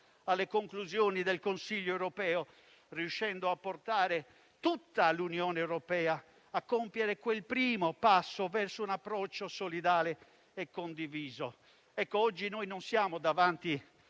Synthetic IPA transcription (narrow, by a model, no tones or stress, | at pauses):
alːekoŋkluzjoːnid̪elkonsiʎːoewɾopɛːo | riuʃːɛnd̪oapːort̪aːɾe | t̪ut̪ːalunjɔːnɛwɾopɛːa | akːompjeɾekwelpɾiːmopasːovɛrsounapːɾɔt͡ʃːosolid̪aːleː | kːond̪iviːzo | ɛkːoɔd͡ʒːinojnonsjaːmod̪avant̪i